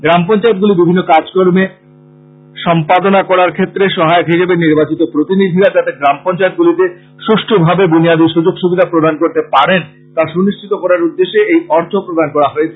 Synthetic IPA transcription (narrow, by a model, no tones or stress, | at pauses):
ɡɾamp̬ɔnt͡ɕaet̪̚ɡulibibʱinːokad͡ʑkoɾme | ʃɔmpad̪onakɔɾaɾkʰet̪ːɾeʃɔɦaeokɦiʃebeniɾbat͡ɕit̪opɾot̪inid̪ʱiɾad͡ʑat̪eɡɾampɔnt͡ɕaet̪̚ɡulit̪e | ʃuʃʈʰobʱabebuniad̪iɾʃud͡ʑoɡʃubid̪ʱapɾod̪ankoɾt̪epaɾen | t̪aʃuniʃt͡ɕʰit̪okɔɾaɾud̪ːeʃeejɔɾt̪ʰopɾod̪ʱankɔɾaɦoet͡ɕʰe